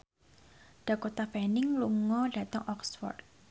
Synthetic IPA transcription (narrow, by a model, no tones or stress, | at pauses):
d̥a̤kot̪apɛnɪŋluŋɔɖ̥ä̤t̪əŋʔɔkswɔ̰rt̪̚